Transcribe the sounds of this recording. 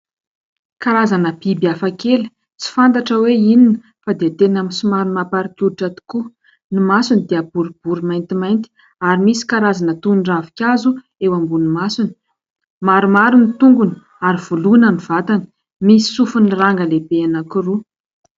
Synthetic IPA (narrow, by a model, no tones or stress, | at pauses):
kaɾazanəb̥ibiafakelə̥ | t͡si̥fant̪aʈ͡ʂəweininə | fad̪et̪enaminsumaɾumapaɾikʲuiʈ͡ʂat̪i̥ku | nimasunid̪eabuɾub̥uɾumajnt̪imajnt̪i̥ | aɾimisi̥kaɾazanət̪uɳɖ͡ʐavikʲazu | ewambunimasuni̥ | maɾumaɾunit̪uŋɡun | aɾiv̥ulunəniv̥at̪anə̥ | misi̥sufunraŋɡəlebeanakuru